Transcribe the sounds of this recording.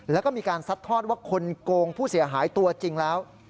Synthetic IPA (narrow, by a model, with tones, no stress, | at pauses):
lɛː˦˥wkɔː˥˩miː˧kaː˧nsa˦˥t̪ʰːɔː˥˩t̪̚waː˥˩kʰo˧nkoː˧ŋpʰuː˥˩si˨˩˦ɐɦaː˩˦jt̪u˧ɐt͡ɕi˧ŋlɛː˦˥w